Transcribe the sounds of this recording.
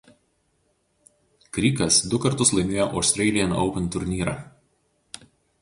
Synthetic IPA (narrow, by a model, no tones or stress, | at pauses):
kɾʲiːkɐsd̪ʊkɐɾt̪ʊslˠɐɪmʲeːjoːʔɐʊsʲt̪ʲɾʲɛɪlʲɪjɛnɒ̰ʊpʲɛnt̪ʊɾʲnʲiːɾɑ̰ː